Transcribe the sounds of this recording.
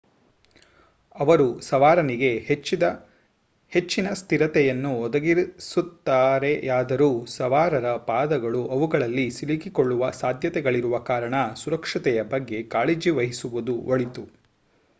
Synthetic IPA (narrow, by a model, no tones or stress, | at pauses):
ɐʋɐɾusɐʋaːɾɐniɡe̞t͡ʃːid̪ɐ | het͡ʃːinɐst̪ʰiɾɐt̪ɛjɐnːuɔd̪ɐɡiɾsut̪ːaːɾe̞jaːd̪ɐɾuːsɐʋaːɾɐɾɐpaːd̪ɐɡɐɭuʔɐʋuɡɐɭɐlːisilikiko̞ɭːuʋɐsaːd̪ʱjɐt̪ɛɡɐɭiɾuʋɐkaːɾɐɳɐsuɾɐkʂɐt̪ɛjɐbɐɡːe̞kaːɭeːd͡ʒiʋɐɦisuʋud̪uoɭit̪u